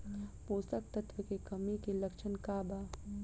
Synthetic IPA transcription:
poːsək̚t̪ɐt̪ʋəkekɐmikelɐkʃʰənkaːbaː

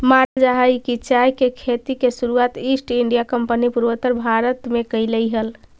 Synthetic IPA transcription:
mad͡ʒaɦəjkit͡ʃajkekʰet̪ikesuɾuat̪isʈiɳɖijakəmpənipuɾʋət̪əɾbʱaɾət̪mekəjləjɦəl

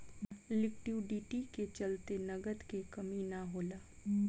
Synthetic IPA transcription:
lɪkʈjuːɖiːʈiket͡ʃɐlt̪enɐɡət̪kekɐminaɦoːlaː

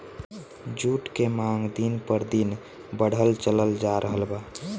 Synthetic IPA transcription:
d͡ʒuʈkemaŋɡd̪inpəɾd̪in | bəɽ̤ʱəlt͡ʃələld͡ʒaɾʔəɦəlba

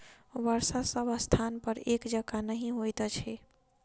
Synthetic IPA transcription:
bəɾsasəbəst̪ʰanpəɾekd͡ʒəɡanəɦĩɦojt̪t͡ʃʰɛ

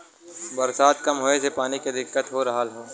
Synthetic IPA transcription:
bɐɾsaːd̪kɐmɦoːesepaːniked̪ɪkːət̪ɦoɾɐɦalɦoː

